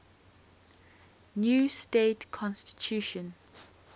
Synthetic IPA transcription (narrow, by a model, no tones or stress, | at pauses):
njuːsteːtkʰɔ̃nstɪ̥t͡ʃʰʉˑʃə̃n